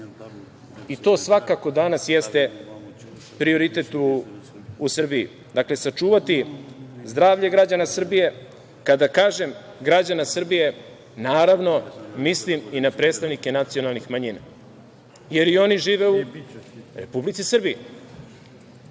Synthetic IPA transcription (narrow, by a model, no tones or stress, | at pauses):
it̪o̞ːsʋakako̞d̪anasjest̪e̞ | pɾio̞ɾit̪e̞t̪uː | sr̩bijḭ | d̪akle̞sat͡ʃuːʋat̪izd̪ɾaːʋʎe̞ɡɾad͡ʑanasr̩bije̞ | kad̪akaːʒe̞m | ɡɾad͡ʑanasr̩bije̞ | naːɾaʋno̞misliminapɾe̞ːt̪st̪aʋnike̞nat̪sio̞nalˠnixmaɲina̰ | je̞ɾio̞niʒiːʋe̞u | ɾe̞publit̪sisr̩bije